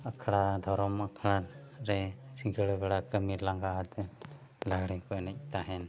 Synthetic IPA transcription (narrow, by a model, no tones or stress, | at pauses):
akʰɽad̪ʱɔɾɔmakʰɽaɾɛsiŋɡəɽbɛɽakəmiɾlaŋɡaat̪ɛn | laɡɽɛŋkɔnɛc̚t̪aɦɛn